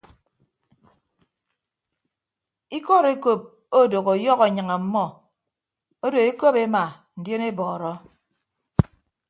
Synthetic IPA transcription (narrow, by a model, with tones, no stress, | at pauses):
i˦kɔ˦˨ɾe˦ko˦˨p̚ | o˦˨do˨ɣo˨jɔ˦ɣa˨ɲa˨ŋa˨m̩˦mɔ˦ | o˦do˨e˦ko˦pe˦ma˨ | n̩˨djo˦ne˦bɔː˨ɾɔ˦